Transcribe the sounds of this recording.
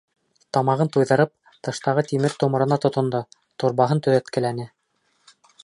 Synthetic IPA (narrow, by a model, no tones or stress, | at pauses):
t̪ɑmɑʁɤnt̪ujðɤ̆ɾɤp̚ | t̪ɤ̆ʃt̪ɑʁɤt̪imɘɾt̪ŏmŏɾɤ̆nɑt̪ŏt̪ŏnd̪o | t̪ŏɾβɑɦɤnt̪ɵ̆ðæt̪kɘ̆lænɘ